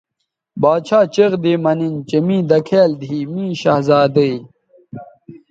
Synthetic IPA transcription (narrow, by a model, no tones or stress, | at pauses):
baːt͡ɕʰaːt͡ɕeʁd̪eːmɐnint͡ɕemĩːd̪ɐkʰeːld̪ʱiːmĩːɕaɦzaːd̪əi